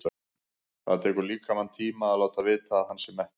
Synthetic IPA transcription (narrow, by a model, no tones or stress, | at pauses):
θa̰ðt̪ʰɛːkʏɾliːkamant̪ʰiːmaalaːwt̪avɪːt̪ahanːsɛmːɛht̪